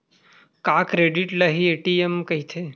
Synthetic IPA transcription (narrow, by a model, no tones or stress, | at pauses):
kaːkɾeːɖiʈlɐɦieʈiemkɐɦit̪ʰe